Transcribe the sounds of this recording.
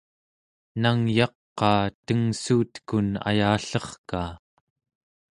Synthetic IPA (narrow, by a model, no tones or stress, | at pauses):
naŋjɑqːɑːt̪əŋsuːt̪kuna̰jaːɬʌχkaː